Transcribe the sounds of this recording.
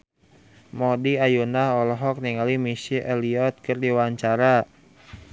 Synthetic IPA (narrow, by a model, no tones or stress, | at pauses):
mɔdiajunahɔlɔɦɔk̚niŋalimisiʔɛliɔt̪̚kɨrdiwaɲt͡ʃaɾa